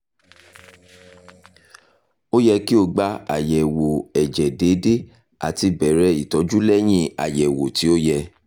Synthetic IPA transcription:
o˦jɛ˧ki˦o˧ɡ͡ba˧˦a̰˨jɛ˨wo˨ɛ˨d͡ʒɛ˨de˨˦de˦ | a̰˨ti˧bɛ˨ɾɛ˨˦i˨tɔ˨˦d͡ʒu˦lɛ˦j̃ĩ˦a̰˨jɛ˨wo˨ti˨˦o˦jɛ˧

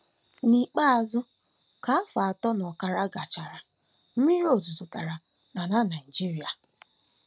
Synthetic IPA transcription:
ni˨k͡pa˦a˨zʊ˦ | ka˨˦fa˨a˨tɔ˦n˨ɔ˨ka˨ɾa˦ɡa˨t͡ʃa˨ɾa˨ | m̩˦mi˦ɾo˨zu˨zu˨ta˨ɾa˨ | na˨na˦na˨i˨d͡ʒi˦ɾi˨a˨

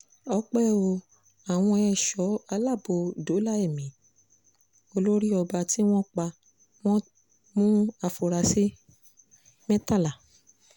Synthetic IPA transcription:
ɔ˧˦k͡pɛ˦˨o˧ | a˨w̃ɔ̃˧ɛ˧˨ʃɔ˨˦a˧la˦˨bo˧do˨˦la˦e˦˨mĩ˨˦ | o˧lo˦ɾi˦ɔ˧ba˧ti˦w̃ɔ̃˦k͡pa˧ | w̃ɔ̃˦ | mũ˦a˧fo˨ɾa˨si˦ | mɛ̃˦ta˦˨la˨

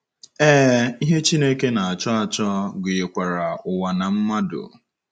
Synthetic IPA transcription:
ɛː˦i˦ɦe˦t͡ʃi˦ne˦ke˦na˨a˨t͡ʃɔ˦a˨t͡ʃɔ˦ɡʊ˨je˨kʷa˨ɾa˨ʊ˨wa˨na˨m̩˦ma˦dʊ̰˨

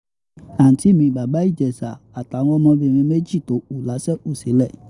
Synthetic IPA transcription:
a˨ti˨˦mĩ˧˨ɡ͡ba˨ba˦i˦˨d͡ʒɛ˨sa˨ | a˨ta˨˦wɔ̃˦mɔ̃˧ve˨mĩ˧˦me˦d͡ʒi˦˨t̪o˨˦u˨la˨˦sɛ˦u˨se˨˦lɛ˦˨

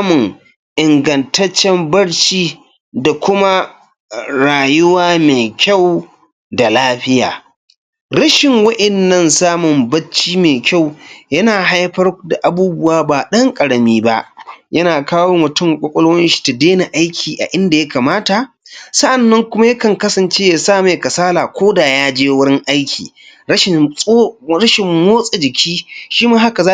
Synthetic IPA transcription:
sa˦mʊ˨ŋ | ʔɪ˨ŋɡɐ˨ntɐ˦t͡ʃːɛ˦mbɐ˦ɽt͡ʃiː˦ | da˨kʷʊ˦ma˦ | ɾaː˨jʊ˦waː˦meː˨kʲa˦˨w | da˨laː˦ɸɪ˦ja̰ː˨ | ɽɐ˦ʃɪ˨ŋwɐ˦ʔɛ˨nːɐ˦˨nsaː˦mʊ˨mbɐ˦t͡ʃːiː˦meː˨kʲa˦˨wjɐ˦naː˨ɦa˦jɸɐ˦rda˨ʔa˨buː˦bʊ˦waː˦baː˨ɗɐ˦ŋkʼɐ˨ɽɐ˨miː˦ba˦ʔjɐ˦naː˨kaː˦woː˦mʊ˨tʊ˦˨ŋkʷʼɔ˦kʷʼɔ˦loː˦jɪ˦nʃi̥˨ta˨deː˦na˨ʔa˦jkʲʰiː˨ʔa̰˨ʔɪ˦nda˨jɐ˦kaː˨maː˦ta˨ʔ | sɐ˦ʔa˨nːɐ˦ŋkʷʊ˦ma˦jɐ˦kɐ˨ŋkɐ˦sɐ˨nt͡ʃeː˦ja˨saː˦˨ma˨jkɐ˨saː˦laː˨kʷoː˦daː˨jaː˦d͡ʒeː˦wʊ˦ɽɪ˦ŋʔa˦jkʲʰḭː˨ | ɐ˦ʃɪ˨˦ | ɾɐ˦ʃɪ˨mmoː˦sʼe˨d͡ʒɪ˨kʲʰiː˦ʃiː˦maː˦ha˦ka˨zaː˦

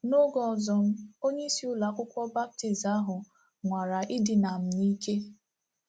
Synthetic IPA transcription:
no˦ɡɔ˨ɔ˨zɔ˨m̩˦o˦ɲe˦i˦si˦ʊ˦la˨kʷʊ˦kʷɔ˦ba˦p̚ti˨za˦ɦʊ˨ | ŋʷa˨ɾa˨ʔɪ˦dɪ˨na˨m̩˨ni˦ke˦

